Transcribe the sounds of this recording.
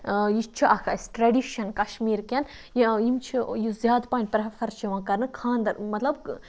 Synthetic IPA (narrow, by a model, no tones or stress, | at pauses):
jit͡ʃʰiʔɐkʰɐsʈɾɐɖiʃɐnkɐʃmiːɾkʲɐn | jjimt͡ʃʰijuzjaːd̪paːɳʲpɾɐfʰɐɾt͡ʃʰiʋãːkɐɾnɨkʰãːnd̪ɐɾmɐt̪lɐb